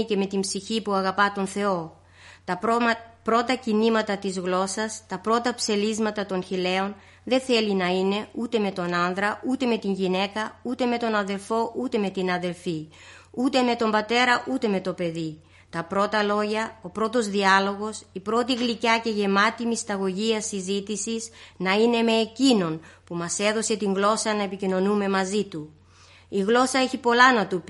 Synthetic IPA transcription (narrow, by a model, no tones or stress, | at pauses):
ice̞me̞t̪imbsiçipuɐɣɐpɐt̪o̞nθe̞o̞ | pɾo̞t̪ɐcinimɐt̪ɐt̪izɣlo̞sɐst̪ɐpɾo̞t̪ɐpse̞lizmɐt̪ɐt̪onçile̞o̞n | ðe̞nθe̞linɐine̞ut̪e̞me̞t̪o̞nɐnðɾɐut̪e̞me̞t̪iɲʝine̞kɐut̪e̞me̞t̪o̞nɐðe̞lfo̞ʔut̪e̞me̞t̪inɐðe̞lfi | ut̪e̞me̞t̪o̞mbɐt̪e̞ɾɐʔut̪e̞me̞t̪o̞pe̞ði | t̪ɐpɾo̞t̪ɐlo̞ʝɐo̞pɾo̞t̪o̞zðiɐlo̞ɣo̞sipɾo̞t̪iɣlicɐce̞ʝe̞mɐt̪imist̪ɐɣo̞ʝiɐsizit̪isiznɐine̞me̞ːcino̞npumɐse̞ðo̞se̞t̪iŋɣlo̞sɐnɐepicino̞nume̞mɐzit̪u | iɣlo̞sɐe̞çipo̞lɐnɐt̪up